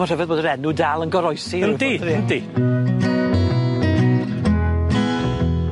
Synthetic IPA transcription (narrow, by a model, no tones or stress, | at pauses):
ɔr̥ɛvɛðboːdəɾɛnudalˠənɡɔɾɔjsiəndiindi